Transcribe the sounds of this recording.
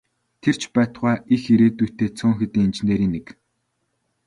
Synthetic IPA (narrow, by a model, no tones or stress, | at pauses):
t̪ʰer̥t͡ɕpæːt̪χwæːixiɾeːt̪ujʰt̪eːt͡sʰʊːŋxet̪iːŋemt͡ɕɪ̆nt̪eːɾiːnːek